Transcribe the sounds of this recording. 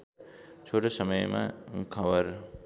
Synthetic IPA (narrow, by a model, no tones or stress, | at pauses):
t͡ʃʰoʈosʌməjmã̰kʰʌbəɾ